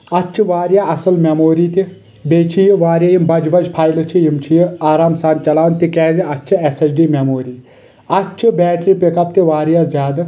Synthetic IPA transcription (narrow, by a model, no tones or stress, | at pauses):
ɐt͡ʃʰiʋaːɾjaːʔɐsɐlmʲemoːɾiːt̪i | beːt͡ʃʰijiʋaːɾjaːjimbɐd͡ʒbɐd͡ʒpʰaːjlt͡ʃʰijimt͡ʃʰijiaːɾaːmsaːnt͡ʃɐlaːnt̪ikɛːziɐt͡ʃʰiesɐsɖiːmʲemoːɾiː | ɐt͡ʃʰibɛːʈɾiːpekɐpt̪iʋaːɾjaːzʲjaːd̪